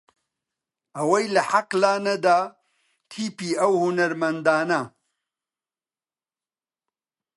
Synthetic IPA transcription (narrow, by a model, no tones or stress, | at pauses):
ʔɐwɐjlɐħaqlaːnɐd̪aː | t̪ʰiːpiːɐwhunɐɾmɐnd̪aːnɐ